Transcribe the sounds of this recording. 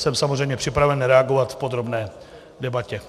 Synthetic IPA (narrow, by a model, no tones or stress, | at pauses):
sɛmsamor̝ɛjmɲɛpr̝̥ɪpɾavɛnɾɛaɡovat̪fpod̪ɾo̞bnɛː | dɛbacɛ